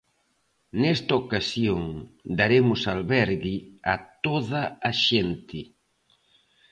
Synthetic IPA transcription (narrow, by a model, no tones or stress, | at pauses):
nɛst̪ɐokasjoŋd̪aɾemʊsalβɛɾɣɪat̪oðɐːʃent̪ɪ